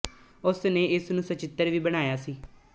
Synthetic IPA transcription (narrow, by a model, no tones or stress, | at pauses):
ʊsneːɪsnũːsət͡ʃɪt̪ːəɾʋiːbəɽ̃aːjaːsiː